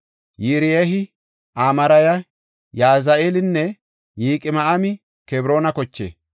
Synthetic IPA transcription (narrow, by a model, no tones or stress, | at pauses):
jiːɾɪjeɦɪ | ʔaːmɐɾɐjɐ | jaːzɐʔeːlɪnːɛ | jiːkʼɪmɐɐmɪ | kɛbɾo̞ːnɐkɔt͡ʃːḛː